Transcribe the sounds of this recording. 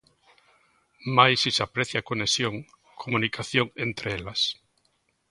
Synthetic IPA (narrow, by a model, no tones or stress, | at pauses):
majsisapɾeθjakonesjoŋ | kʰomũnikʰaθjoŋent̪ɾeelas